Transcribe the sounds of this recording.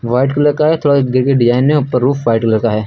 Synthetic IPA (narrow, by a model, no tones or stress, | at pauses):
ʋaːɪʈkeləkaɦɛt̪ʰoːɽaɡɪɾkeɖɪzaːɪnːʊpːəɾːuːfʋaːɪʈkləkaɦɛː